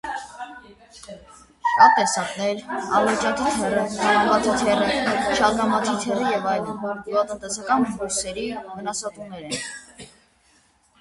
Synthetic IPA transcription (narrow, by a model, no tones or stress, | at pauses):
ʃɑt̪̚t̪ːɛsɑknɛɾɑvlɛt͡ʃɑt̪ʰit̪ʰɛrəɑɾvɑt̪ʰit̪ʰɛrəʃɑɾnɑmɑt̪ʰit̪ʰɛɾəjɛvɑjlənɡuɑt̪ənt̪ɛsɑkɑnbuɾsɛɾivənɑsɑt̪umnɛɾɛn